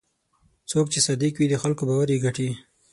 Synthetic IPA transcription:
t͡sok̚t͡ʃesad̪ikwid̪əxalkobɑwaɾjeɡaʈi

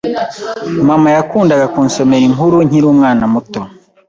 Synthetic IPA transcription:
mamajakuːndaɡakuːnso̞me̞ɾiŋuɾuɲ̥iɾuːmŋaːnamuto

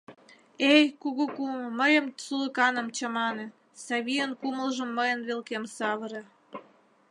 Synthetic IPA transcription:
ejkuɣukumməjə̆msuləkɑnə̆mt͡ɕəmɑnĕ | sɑβijənkuməlʒə̆mːəjə̆nβelkemsɑβəɾe

